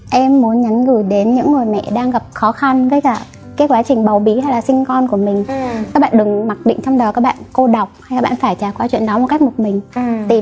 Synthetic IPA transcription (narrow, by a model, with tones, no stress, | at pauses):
ʔɛ˧mːu˨˦ənɲa˨˦nɣɨ˧˩jɗe˨˦nɲɨ̰˧˥ŋŋu˨˩jmɛ̰˧˨ɗaː˧ŋɣa˨˩p̚xɔ˨˦xa˧nkəː˨˦jkaː˧˩ | kaː˨˦jkwaː˨˦t͡ɕï˨˩ŋ̟ɓa˨˩wɓi˨˦ha˧jlaː˨˩sï˧ŋkɔ˧nku˧˩əmï˨˩ŋ̟kkaː˦˥k̚ɓa̰ː˧˨ɗɨ˨˩ŋma˨˩t̚ɗḭ̈˧˨ŋ̟t͡ɕɔ˧wŋ͡mɗəː˨˩kaː˦˥k̚ɓa̰ː˧˨nko˧ɗə˨˩wk͡p̚ha˧jkaː˧˦˥ɓa̰ː˧˨nfaː˧˩jt͡ɕaː˨˩kwaː˨˦wḭ˧˨ənɗɔ˨˦mo˨˩t̚ka˦˥k̚mo˨˩t̚mï˨˩ŋ̟t̪i˨˩